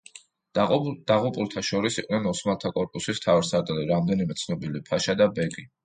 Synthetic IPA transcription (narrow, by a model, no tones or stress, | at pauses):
d̪̥aʁupʼulˠt̪ʰaʃɔɾisiqʼnɛnɔsmalˠt̪ʰakʼɔɾpʼusist̪ʰavɛɾsaɾt̪ʼiliɾamd̪ɛnimɛt̪sʰnɔbilipʰaʃad̪abɛɡi